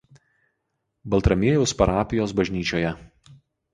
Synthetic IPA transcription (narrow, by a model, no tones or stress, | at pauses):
bɐlˠˑt̪ɾɐmʲiɛjʊspɐɾɑːpʲɪjoːsbɐʒʲnʲiːt͡ʃʲoːjɛ